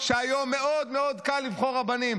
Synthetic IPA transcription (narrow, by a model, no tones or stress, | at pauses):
ʃeajomːeʔod̪meo̞d̪kalːivχo̞ʁabanim